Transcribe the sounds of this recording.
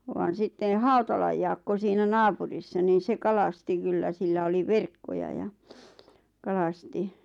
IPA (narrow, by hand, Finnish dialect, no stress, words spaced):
ʋɑːn sitːen̞ hɑutɑlɑj jɑːkːo siːnæ nɑːpurisːɑ niːn̞ se kɑlɑsti kylːæ silːæ oli ʋerkːojɑ jɑ kɑlɑsti